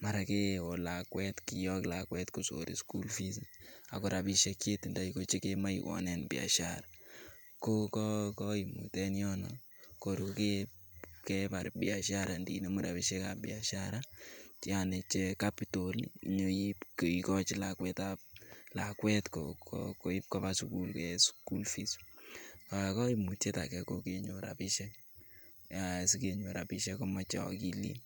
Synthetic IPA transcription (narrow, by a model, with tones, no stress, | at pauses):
ma˨ɾa˨ke˦ola˨kwɛtkijɔ˦klakwɛtku˨so̰˨ɾḭ˨sku˦lfisia̰˨ko˨ɾa˨pi˦ʃe˦kje˦ti˨nda˨ikot͡ʃe˦kema˦ḭkɔ̰nɛ˦nbḭa̰˨ʃa̰ɾa | ko˦kɔkɔi˨mṵ˨tɛ˦n˦ɔnɔ̰ | ko˨ɾkuke | kepa˨ɾbia˨ʃaɾa˨ndḭ˨no˦mu˨ɾa˨bi˦ʃɛka˨bia˨ʃaɾat͡ʃi˦anet͡ʃekapitoliɲo˦ipko˨i˨kɔt͡ʃilakwɛtap̚la˨kwɛtko̰kɔko˨i˦p̚kapasukulkɛsku˦lfis | ka˨kɔ˦i˨mu˨te˦ta̰˨kɛ˦kokeɲo˨ɾa̰˨pi˦ʃɛk | a˨si˦ke˨ɲo˨ɾa̰˨pi˦ʃɛkɔma˦t͡ʃɔ̰˨ki˦lḭn